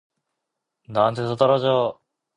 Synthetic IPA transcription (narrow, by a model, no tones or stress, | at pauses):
naantʰesʰʌt͈ʌɾad͡ʑo